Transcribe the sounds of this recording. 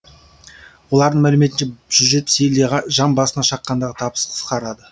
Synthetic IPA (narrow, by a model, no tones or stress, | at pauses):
wo̞lˠɑɾd̪əɴmælɪme̞t̪ɪnʃeʒ̥ʏʒe̞t̪selʁʒɑmbɑsənɑʃɑqːɑnd̪ɑʁət̪ʰɑpə̥sqʰə̥sqɑɾɑd̪ə